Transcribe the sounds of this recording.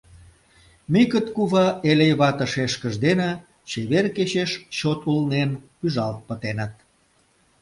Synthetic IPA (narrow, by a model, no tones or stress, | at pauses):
mikət̪kuβɑʔelejβɑt̪ə̆ʃeʃkəʒd̪enĕ | t͡ɕeβerket͡ɕeʃt͡ɕot̪ulnenpyʒɑlt̪̚pət̪enə̆t̪̚